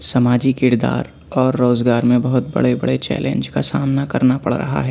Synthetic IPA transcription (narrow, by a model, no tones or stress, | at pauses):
sɐmaːd͡ʒikɪɾd̪a̰ːɾ | ɔːɾːoːzɡaːɾmẽbɐɦʊt̪̚bɐ̰ɽebɐ̰ɽet͡ʃɛ̰ːlḛ̃nd͡ʒkasaːmnakɐɾnapɐɽ̤ɾɐ̰ɦa̰ɦɛː